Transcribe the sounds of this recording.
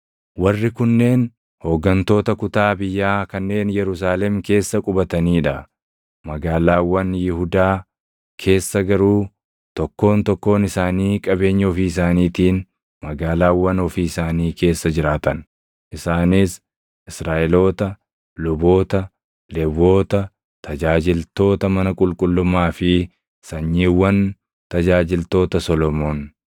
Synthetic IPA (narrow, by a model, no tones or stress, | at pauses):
wɐrːɪkʊnːe̞ːn | hoːɡːɐnt̪o̞ːt̪ɐkʊt̪aːbɪjːaːkɐnːe̞ːnjɛɾʊs̬aːlɛmke̞ːsːɐkʼʊbɐt̪ɐniːᶑɐ | mɐɡaːlaːwːɐnjɪhʊd̪aː | kʰe̞ːsːɐɡɐɾuː | t̪ɔkːo̞ːnt̪ɔkːo̞ːnɪsaːniːkʼɐbe̞ːɲːɛɔfiːɪs̬aːniːt̪iːn | mɐɡaːlaːwːɐnɔfiːɪsaːniːkʰe̞ːsːɐd͡ʒɪɾaːt̪ɐn | ʔɪsaːnis | ʔɪsɾaːʔɛlo̞ːt̪ɐ | lʊbo̞ːt̪ɐ | lɛbo̞ːt̪ɐ | t̪ɐd͡ʒaːd͡ʒɪlt̪o̞ːt̪ɐmɐnɐkʼʊlkʼʊlːʊmaːfɪ | sɐɲːiːwːɐn | t̪ɐd͡ʒaːd͡ʒɪlt̪o̞ːt̪ɐsɔlɔmo̞ːn